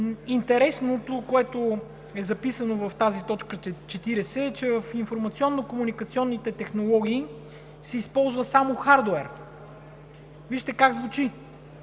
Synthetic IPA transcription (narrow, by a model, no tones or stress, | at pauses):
int̪ɛɾɛsnot̪okoɛt̪o | ɛzɐpisənovɐft̪azit̪ɔt͡ʃkət͡ʃɛt̪iɾɛsɛːt͡ʃɛvəfiɱfoɾmɐt̪siɔnːokomunikət̪siɔnːit̪ɛt̪ɛxnolˠɔɡ̟iː | sɛispɔlˠzvəsamoxaɾd̪oɛɾ | viʃt̪ɛkaɡzvut͡ʃi